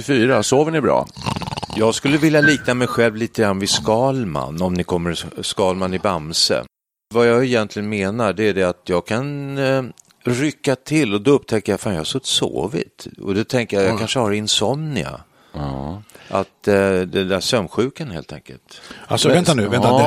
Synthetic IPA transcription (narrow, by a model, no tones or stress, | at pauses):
fyːɾasoːvəɳɪbɾɑ̰ː | jɑːɡskɵlːəvɪljaliːk̚namɛjɧɛlvliːt̪əɡɾanːvɪskɑːlma̰nːɔmnɪkʰɔmːəɾskɑːlmanɪbamsə̰ | vajɑɛjɛnt̪lɪɡənmeːnaɖɛæɖɛat̪jɑːɡkʰan | ɾʏkːat̪ʰɪlːɔd̪ɔɵp̚ːt̪ʰɛkːəjafaːnjɑhasɵt̪ːso̰ːvɪ̰t̪ɔ̰d̪ɔt̪ʰɛŋkəjajɑkʰanʂəhaɾɪnsɔmnɪa̰ | ʔat̪d̪ɛd̪æʂœmɧʉ̟ːkənheːlt̪ʰɛ̰ŋkə̰lt̪a̰lsɔvɛnt̪anʉvɛnt̪a